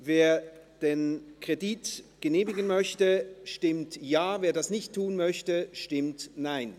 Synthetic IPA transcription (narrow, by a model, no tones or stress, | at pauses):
veːɐd̥eːnkʁ̥ediːtɡ̥əneːmɪɡən̩mœçtəʃtɪmtjaːveːɐdasnɪçtʰːuːnmœçtəʃtɪmtnaɪn